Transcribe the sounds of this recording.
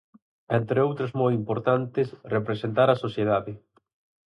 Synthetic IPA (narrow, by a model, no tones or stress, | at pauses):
ɛnt̪ɾeowt̪ɾozmɔjimpoɾt̪ant̪ɪsrepɾesent̪aɾɐsoθjeðaðɪ